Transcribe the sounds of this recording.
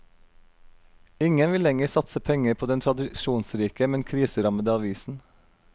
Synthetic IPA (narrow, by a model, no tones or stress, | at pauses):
ɪŋənʋɪlɛŋəsɑt̪səpʰɛŋəɾpʰoːd̪ɛnt̪ʰɾɑd̪ɪʃuːnsɾiːkəmɛnkʰɾiːsəɾɑməd̪əɑʋiːsn̩